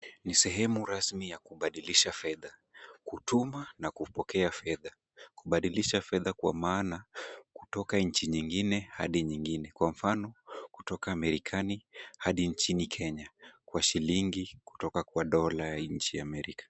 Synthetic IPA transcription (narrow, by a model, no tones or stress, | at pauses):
nisɛɦɛmuɾasmijakuɓaɗiliʃafɛðakutumanakupɔkɛafɛða | kuɓaɗiliʃafɛðakwa̰maːnaku̥tɔkaɲ̩t͡ʃiɲiŋɡinɛhaɗiɲiŋɡinɛkwam̩fanɔku̥tɔkaːmɛɾikʰanihaɗiɲt͡ʃinikʰɛɲakwaʃiliŋɡiku̥tɔkakwaɗɔlajaɲ̩t͡ʃijaːmɛɾikḁ